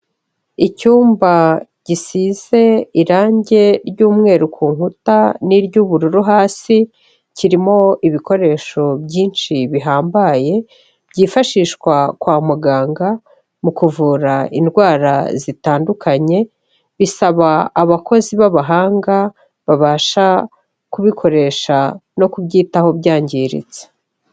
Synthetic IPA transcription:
icuːmbaɟ̥isize̞iɾaːɲɟe̞ɾɟuːmŋe̞ːɾukʰuːŋhutaniɾɟuːβuɾuɾuɦaːsi | ciɾimo̞iβiko̞ɾe̞ːʃo̞bɟjiːnʃiβiɦaːmbaje̞ | b̥ɟiːfaʃiːʃkwakwaːmuɡaːŋɡa | mukuvuːɾaindɡwaːɾa̰zitaːndukʰaɲe̞ | βisaβaːβako̞ziβaβaɦaːŋɡa | βaβaːʃa | kuβikʰo̞ɾe̞ʃano̞kubɟiːtaho̞bɟaːɲɟiɾḭze̥

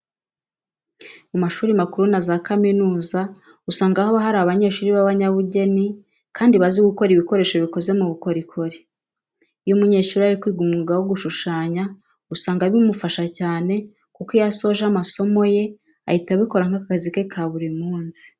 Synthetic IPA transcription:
mumaʃuːɾimakuɾunazakaminuːza | usaːŋɡahoβaɦaɾaβaɲe̞ːʃuːɾiβaβaɲaβuɟe̞ni | kʰaːndiβaziɡuko̞ɾiβiko̞ɾe̞ːʃo̞βiko̞ze̞muβuko̞ɾikʰo̞ɾe | ijomuɲe̞ːʃuːɾiaɾikwiːɡumŋuɡawoɡuʃuʃaːɲa | usaːŋɡaβimufaʃacaːne̞ | kukijaso̞ʒamaso̞mo̞je̞ | a̰hitaβiko̞ɾaŋ̥akakazike̞kʰaβuɾimuːnzi̥

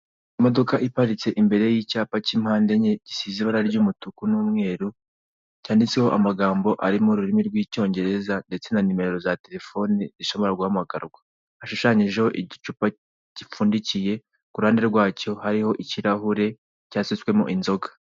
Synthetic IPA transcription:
imo̞dokaʔipaɾit͡se̞ʔimbe̞ɾe̞jicaːpacimhaːnde̞ɲeɟ̥isiziβaɾaɾɟumutukunumŋe̞ːɾu | caːndit͡sehoʔamaɡaːmbo̞ʔa̰ɾimoɾuɾimiɾɡwiːco̞ːɲɟe̞ɾe̞zande̞t͡se̞nanime̞ɾeɾo̞zate̞ɾe̞fo̞niziʃo̞βo̞ɾaɾɡahamaɡaɾɡwa | aʃuʃaɲiʒeho̞ʔiɟit͡ʃupa | ɟ̥ifuːndicije̞ | kuɾhaːndeɾɡwaːco̞haɾiho̞ʔiciɾaɦuɾe̞ | caːsit͡swe̞mo̰ʔinzo̞ɡḁ

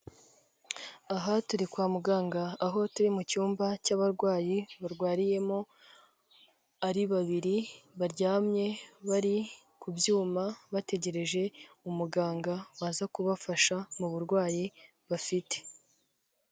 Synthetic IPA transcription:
aɦatuɾikwaːmuɡaːŋɡaːɦo̞tuɾimucuːmbacaβaɾɡwaːjiβaɾɡwaːɾije̞mo | aɾiβaβiɾiβaɾɟaːmɲe̞βaɾi | kubjuːmaβate̞ɟe̞ɾe̞ʒe̞ | umuɡaːŋɡawaːzakuβafaʃamuβuɾɡwaːji | βafite̥

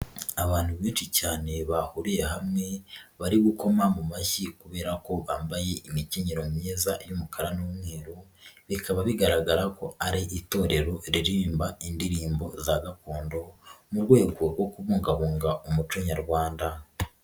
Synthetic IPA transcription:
aβaːn̥huβiːnʃicaːne̞βahuɾije̞ɦamŋe̞βaɾiβuko̞mamumaçikuβe̞ːɾako̞βaːmbaje̞ʔimiciɲiɾomumɲeːzajumukʰaɾanumŋe̞ːɾoβikaβaβiɡaɾaɡaɾako̞aɾiʔito̞ːɾe̞ɾo̞ɾiɾiːmbaindiɾiːmbo̞zaɡakoːndo̞muɾɡwe̞ːɡo̞ɾɡo̞kuβuːŋɡaβuːŋɡaʔumut͡ʃoɲaɾɡwaːnda

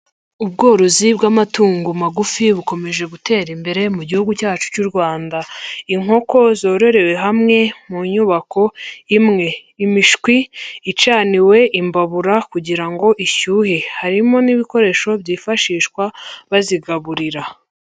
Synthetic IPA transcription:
ubɡo̞ːɾozibɡamatuːŋɡumaɡufiβuko̞me̞ʒe̞ɡutʰe̞ːɾimbe̞ɾe̞muɟihuɡucaːt͡ʃu̥cuɾɡwaːndaiŋho̞ko̞zo̞ːɾo̞ɾe̞we̞ɦamŋe̞muɲuβako̞imŋe̞ːmiʃkwiːt͡ʃaːniwe̞ʔimbaβuɾakuɟiɾaŋɡo̞ʔiʃuːhehaɾimo̞niβiko̞ɾe̞ʃo̞bjiːfaʃiːʃkwaβaziɡaβuɾiɾa

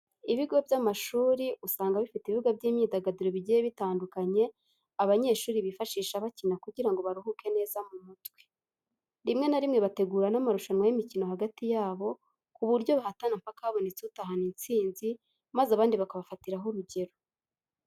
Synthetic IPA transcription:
iβiɡo̞bjamaʃuːɾiʔusaːŋɡaβifitiβivuɡavɟiːmɲiːdaɡadiɾo̞βiɟijeβitaːndukaɲe̞ | aβaɲe̞ːʃuːɾiβifaʃiːʃaβacinakuɟiɾaŋɡo̞βaɾuɦuːkʰe̞ne̞ːzamumutwe̥ | ɾimŋe̞naɾimŋe̞βate̞ɡuːɾanamaɾuʃanwajimicino̞haɡatijaːβo̞ | kuβuɾɟo̞βahatanampakaaβo̞net͡seutaɦanint͡siːnzi | mazaβaːndiβakaβafatiɾaɦoɾuɟe̞ɾo̞

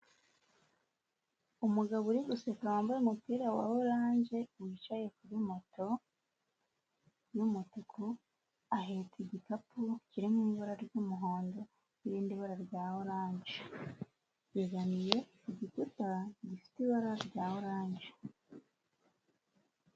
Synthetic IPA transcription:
umuɡaβuɾiɡusekawaːmbaɾemupiːɾawahoɾaːɲɟe̞wit͡ʃaje̞kuɾimotʰo̞ | jumotukʰu | aɦetʰiɟikapuciɾimumiβaɾaɾɟumuɦo̞ːndo̞ | iɾiːndiβaɾaɾɟaːhoɾaːɲɟe | jeɡanije̞ | iɟikutaɟifi̥tiβaɾaɾɟaːhoɾaːɲɟe

